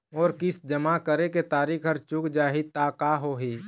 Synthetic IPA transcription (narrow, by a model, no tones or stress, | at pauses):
ɔːɾkɪsd͡ʒəmakəɾeket̪aːɾikʰəɾt͡ʃʊkd͡ʒaːɦit̪aːkaɦoɦi